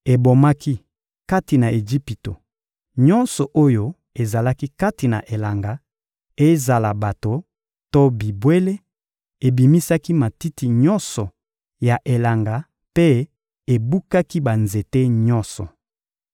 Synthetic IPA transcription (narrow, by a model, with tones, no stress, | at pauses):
e˨bo˨ma˦ki˦ | ka˦ti˨na˨e˨d͡ʒi˦pi˨to˨ | ɲɔ˦nsɔ˨ʔo˦jo˦ | e˨za˨la˦ki˦ka˦ti˨na̰˨ʔe˨la˨ŋɡa˨ | e˦za˨la˨ba˨to˨ | to˦bi˨bwe˦le˦ | e˨bi˨mi˦sa˦ki˦ma˨ti˦ti˨ɲɔ˦nsɔ˨ | ja˨ʔe˨la˨ŋɡa˨ | pe˦ | e˨bu˦ka˦ki˦ba˨nze˨te˦ɲɔ˦nsɔ̰˨